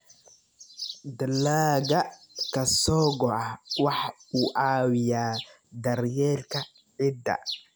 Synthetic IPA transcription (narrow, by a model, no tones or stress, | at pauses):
d̪ɐlaːɣɐkʰɐsɔːɡɔʔɑwɑħuːʔaːwɪjaː | d̪ɐɾjɛrkʰɐ | bɪd̪ɐ̰